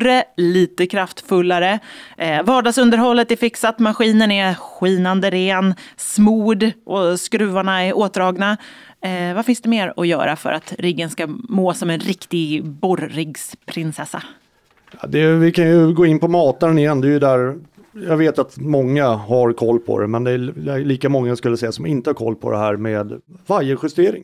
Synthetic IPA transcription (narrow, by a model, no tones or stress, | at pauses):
ɾəliːt̪əkʰɾaft̪fɵlːaɾə | vɑːɖɑɡsɵnd̪əɾɦɔlːət̪ɛɾfɪksat̪maɧiːnənɛɧiːnand̪əɾeːnsmuːɖʔɔskɾʉ̟ːvaɳaɛɾʔoːt̪̚ɾɑːɡna | vafɪnsd̪ɛmeːɾɔ̰jœ̰ːɾafœ̰ɾʔat̪ɾɪɡːənskamoːsɔmɛnɾɪkt̪ɪɡbɔɾːɪɡspʰɾɪnsɛsːa̰ | jɑd̪ɛvɪkʰanjɵɡoːɪnpɔmɑːt̪aɾənɪjɛnːd̪ɛɛjəd̪æːɾ | jɑːɡveːt̪at̪mɔŋːahaɾkʰɔlːpʰɔ̰d̪ɛ̰mɛnd̪ɛliːkamɔŋːaskɵlːəsɛjːasɔmɪnt̪əhaɾkʰɔ̰lːpʰɔ̰d̪ɛ̰hæːɾmeːd̪ | vaɾjəɧɪst̪eːɾɪ̰ŋ